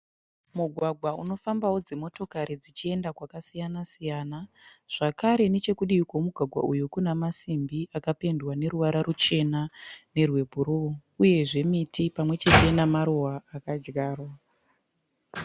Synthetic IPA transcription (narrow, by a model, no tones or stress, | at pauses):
muɡʱwaɡʱwauno̞fambawod͡ze̞mo̞to̞kaɾid͡zit͡ʃie̞ndakwakasijanasijaːnaʐ̥akaɾe̞ne̞t͡ʃe̞kuɗiukwo̞muɡʱwaɡʱwa̰ujukunamasimbiʔakape̞ndwane̞ɾuʋaɾarut͡ʃe̞nane̞rwe̞bʱuɾuouje̞ʐe̞mitʰipamwe̞t͡ʃe̞te̞namaɾuwaːkad͡ʒɡaːrwa